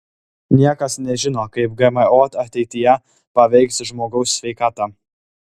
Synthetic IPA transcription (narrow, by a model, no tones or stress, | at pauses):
nʲiɛkɐsnʲɛʒʲɪnoːkɐɪp̚ɡɐmɐoːt̪ɐt̪ʲɛɪt̪ʲɪjɛ | pɐʋʲɛɪksʒmoːɡɐʊsːʲʋʲɛɪkɑːt̪ɑː